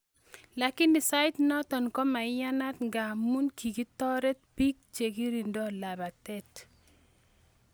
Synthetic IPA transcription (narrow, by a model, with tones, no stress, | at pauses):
la˨ki˦ni˨sa˦jtnɔ˦tɔ˨nkɔ˦ma˨ja˦na˦tŋɡa˨mu˦nki˨ki˦tɔ˦ɾɛ˦t̚pi˦k̚t͡ʃe˨ɡi˦ɾi˨ndɔ˦˨la˨ba˨tɛ˦t